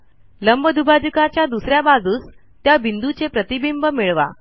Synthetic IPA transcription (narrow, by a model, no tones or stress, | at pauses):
ləmbəd̪ʱubad͡ʑukat͡ɕjad̪usɾjabad͡zuːs | t̪jabind̪ut͡sepɾət̪ibimbəmiɭʋa̰